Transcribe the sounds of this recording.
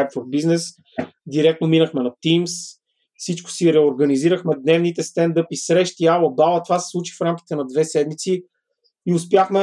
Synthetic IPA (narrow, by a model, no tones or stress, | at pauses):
jpfoɾbiznɛs | d̪iɾɛk̚t̪nominəxmɛnɐt̪ims | sit͡ʃkʊ̥siɾɛoɾɡɐniziɾəxmɛd̪nɛvnit̪ɛst̪ɛnd̪ɤpisɾɛʃt̪ialˠəbalˠət̪ovasɛ̥slˠut͡ʃi̥fɾamkʲi̥t̪ɛnɐd̪vɛsɛd̪mit̪si | iʊspjaxmɛ